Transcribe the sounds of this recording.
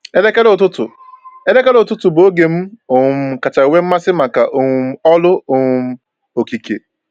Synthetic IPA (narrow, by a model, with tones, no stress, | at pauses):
e˦le˦ke˦ɾo˦˨tʊ˦tʊ˨ | e˦le˦ke˦ɾo˨tʊ˦tʊ˨bo˦ɡe˨m̩˦o˨˦m˦ka˨t͡ʃa˨i˨wʷe˦m̩˦ma˦sɪ˦ma˨ka˨ʔo˨ŋ˦ɔ˦lʊ˦o˨ŋ˦m̩˦ | o˨ki˨kḛ˨